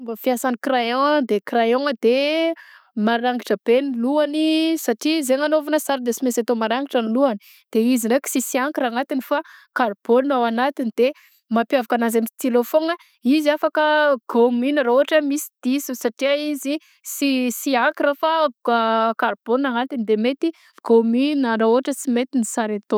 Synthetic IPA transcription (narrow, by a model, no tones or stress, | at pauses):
mbafiasanikrajɔ̃d̪ekrajɔ̃ŋd̪̥e | maɾaŋɡiʈ͡ʂəb̥eniluanisaʈ͡ʂizeŋanovanəsaɾd̪esimesat̪omaɾaŋɡiʈ͡ʂaniluani | d̪̥eizireki̥sisiaŋkiɾaŋat̪inifakarb̥olnawanat̪inid̪e | mapjavakanazamit̪ilofona | iziafakəɡ̥omynaɾaoaʈ͡ʂəmisi̥d̪̥isusaʈ͡ʂiaizi | sisiaŋkiɾafa | karbonaŋat̪inid̪emet̪i | ɡ̥omynaɾaoɦaʈ͡ʂəsimet̪inisaɾat̪o